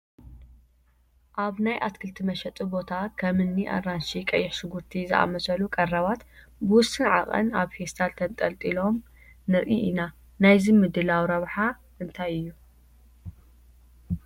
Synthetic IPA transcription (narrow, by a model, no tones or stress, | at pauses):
ʔaβnajʔa̰t̪kʰɨlt̪ʰimɐʃɛt̪ʼibo̞t̪ʰakʰɐmɨnːiʔa̰ranʃikʼɐ̰jːɪħʃɨɡuɾt̪ʰizɨ̰ʔa̰mɐsɐlukʼɐrɐβat̪ | bɨwʊst̪ʼːɨnʕa̰χʼɐ̰naβhest̪ʰalt̪ʰɐnt̪ʼɐlt̪ʼilo̞m | nɨɾʔḭʔina | najzimɨd̪ɨlawɾɐβħa | ʔɨnt̪ʰajɨjːu